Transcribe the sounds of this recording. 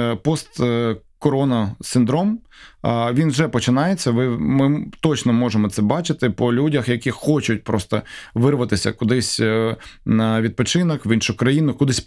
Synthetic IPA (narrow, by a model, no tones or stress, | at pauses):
pɔst̪kɔɾɔnɐsɪnd̪ɾɔm | ʋʲinʒɛpɔt͡ʃɪnɑjet͡sʲːɐʋɪmɪt̪ɔt͡ʃnɔmɔʒemɔt̪sɛbɑt͡ʃɪt̪ɪpɔlʲudʲɐxjɐkʲixɔt͡ʃʊt̚ʲpɾɔst̪ɐ̰ʋɪrʋɐt̪ɪsʲɐ̰kʊd̪ɪsʲ | nɐʋʲid̪̚pɔt͡ʃɪnɔkʋinʃʊkɾɐjinʊkʊd̪ɪsʲ